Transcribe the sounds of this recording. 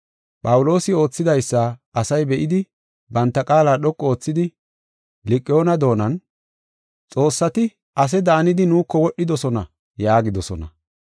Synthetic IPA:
pʼɐwʊlo̞ːsɪo̞ːt͡sːɪd̪ɐjsːaɐsɐjbɛʔɪd̪ɪ | bɐnt̪ːɐkʼaːlaːɗɔkʼːɔo̞ːt͡sːɪd̪ɪ | lɪkʼːɪjo̞ːnɐd̪o̞ːnɐn | t͡sʼo̞ːsːɐt̪ɪ | ʔɐs̬ɛd̪aːnɪd̪ɪnuːkːɔwɔɗːɪd̪ɔsɔnɐ̰ | jaːɡɪd̪ɔsɔnɐ̰

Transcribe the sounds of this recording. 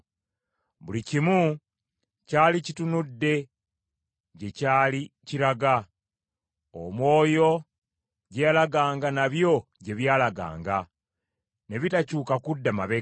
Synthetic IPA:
βulicimu | caːlicitunudːe̞ | ɟe̞caːliciɾaɡa | o̰mwo̞ːjo̞ | ɟejalaɡaːŋɡanaβjo̞ɟe̞βjaːlaɡa̰ːŋɡa | ne̞βitacuːkakudːamaβe

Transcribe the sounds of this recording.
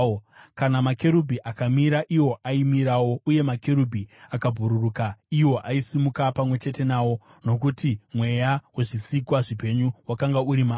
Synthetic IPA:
kanamake̞ɾubʱiʔakamiɾaʔiwo̞ʔaimiɾawo̞uje̞make̞ɾubʱiakabʱuɾurukaiwo̞ʔaisimukapamwe̞t͡ʃe̞te̞naːwo̞ | no̞k̬utimwe̞jawe̞ʐisikwaʐipe̞ɲuwakaŋɡauɾima

